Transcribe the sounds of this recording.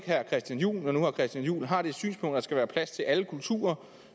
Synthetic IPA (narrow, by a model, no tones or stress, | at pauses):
ɡ̥hæɐkʰʁɛsd̥jænjṵːlɒnuhɑ̈kʰʁɛsd̥jænjṵːlɦɑ̈ɾ̥e̝ed̥sy̰ːnsb̥ʰɔ̽ŋ̰nd̥ɑ̈sɡ̥æʋæːɐpʰlæst͡sʰe̝lʔæləkʰult͡sʰṵːɐ